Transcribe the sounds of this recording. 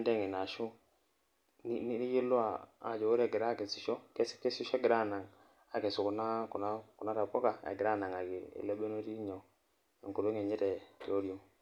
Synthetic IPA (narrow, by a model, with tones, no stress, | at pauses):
ndɛ˦˨ŋi˨na˨ʃu˦ | n˦n˦ni˦ji˦lʊ˦a˨a̰˨d͡ʒo˨o˦ɾɛ˦˨ɡɪ˨ɾa˦˨ke˨si˨ʃɔ˦kɛ˦sɪ̥˦kte˦si˦ʃɔ˦ɡɪ˨ɾa˦˨na˨ŋ | a˨ke˨su˨ku˨na˦ku˨na˦ku˨na˦ɾa˨kɔ˦ka˨ḛ˨ɡɪ˨ɾa˦˨na˨ŋa˨ki˨ḭ˨le˦be˦no˦ɾi˦ɲo˨ | ḭ˨ku˨ɾo˦ŋe˨ɲɛ˦tɛ˨to˦ɾjo˦